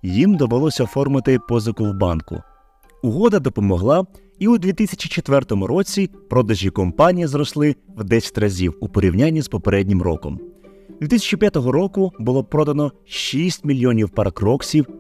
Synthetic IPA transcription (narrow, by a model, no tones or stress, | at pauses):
jimd̪ɔʋelˠɔsʲɐɔfɔrmɪt̪ɪpɔzɐkʊwbɑnkʊ̰ | ʊɦɔd̪ɐd̪ɔpɔmɔɦlˠɑ | iud̪ʲʋʲit̪isʲɐ̥t͡ʃit͡ʃet̪ʋɛrt̪ɔmʊɾɔt͡sʲipɾɔd̪ɐʒʲikɔmpɑnʲijizɾɔslˠɪwd̪ɛsʲɐ̥tʲrɐzʲiwupɔɾʲiwnʲanʲːizpɔpeɾɛdʲnʲɪmrɔ̰kɔ̰m | d̪ʋʲit̪ɪsʲɐt͡ʃipʲjat̪ɔɦɔɾɔkʊbʊlˠɔpɾɔd̪ɐnɔ | ʃisʲtʲmʲilʲjɔnʲiwpɐɾɐkɾɔksʲiw